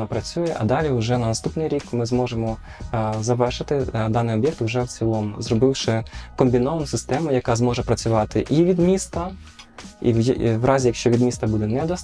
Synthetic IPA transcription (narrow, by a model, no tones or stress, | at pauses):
ɐpɾɐt͡sʲujɛʔɐd̪ɑlʲiʊʒɛnɐnɐst̪upnɪjɾʲikmɪzmɔʒemɔ | zɐʋɛrʃɪt̪ɪd̪ɑnɪjɔbjɛk̚t̪wʒɛwt͡sʲilˠɔmzɾɔbɪwʃɪkɔmbʲinɔʋɐnʊsɪst̪ɛmʊjɐkɑzmɔʒɛpɾɐt͡sʲʊʋɑt̪ɪʔiʋʲid̪mʲist̪ɐ | ḭʋwrʔɑzʲijɐkʃt͡ʃɔʋʲid̪mʲist̪ɐbud̪ɛnɛd̪ɐs